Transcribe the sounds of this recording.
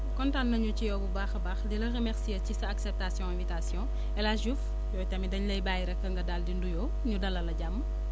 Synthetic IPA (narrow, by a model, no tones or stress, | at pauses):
kɔntanːɐɲucijɔbubaːxɐbaːxdilɐremɛɾsijɐcisɐːksɛp̚tasjɔ̃ɛ̃vitasjɔ̃ | ɛlaʒuf | jɔːtɐmidɐɲlɐjbaːjiɾɛkːɐŋɡɐdaldindujɔː | ɲudɐlːɐlɐɟamːə